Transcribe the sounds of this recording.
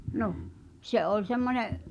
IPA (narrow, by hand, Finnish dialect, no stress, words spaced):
no se ʔolʲ semːonʲeʔ